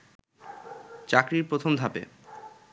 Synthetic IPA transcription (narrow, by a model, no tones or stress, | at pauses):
t͡ɕakɾiɾpɾot̪ʰomd̪ʱapḛ